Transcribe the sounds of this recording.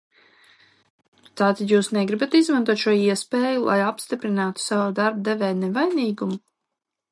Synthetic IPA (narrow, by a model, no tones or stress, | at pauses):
t̪aːt̪ad̪juːsnɛɡɾibat̪izmant̪uɔt̪ʃuɔiɛspeːjulˠʔa̰japst̪ipɾinaːt̪u̥savud̪aɾb̚d̪ɛvɛːnɛvajniːɡumu